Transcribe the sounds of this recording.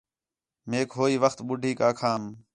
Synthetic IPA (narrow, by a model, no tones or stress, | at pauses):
meːkɦoːiːʋəxt̪ɓʊɖʱiːkaːkʰaːm